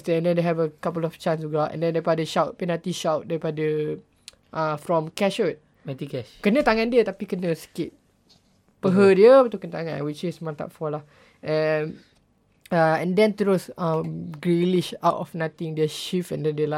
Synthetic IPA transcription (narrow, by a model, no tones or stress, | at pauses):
stɛ̃ndɛ̃ndeɦɛvəkapəlɔft͡ʃãnsuɡaʔɛ̰̃ndɛ̃ndaipadəʃawt̚pinat̪ĩʃawt̚daɾipadə | ʔãfɹɔ̃mkɛʃot̚ | mat̪ikɛʃkənət̪aŋãndiət̪apikənəsə̥kit̚ | pəɦədiəpət̪ukə̃nt̪aŋã̰nwit͡ʃismãnt̪a̰tfɔla | ɛn | aɛ̃ndɛ̃nt̪ɾosə̃mɡɹiliʃawtɔfnat̪ĩŋdɛʃifɛ̃ndɛ̃ndela